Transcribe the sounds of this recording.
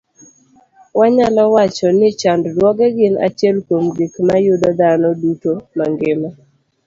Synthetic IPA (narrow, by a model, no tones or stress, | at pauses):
waɲalɔwat͡ʃɔnɪt͡ʃanddwɔɡɛɡɪna̰t͡ʃɛlkomɡikmajʊd̪ɔd̪anɔdutomaŋɡɪma